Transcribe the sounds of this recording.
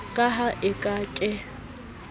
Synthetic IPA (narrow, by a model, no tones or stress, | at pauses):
kʼaɦaʔɪkʼakʼɪ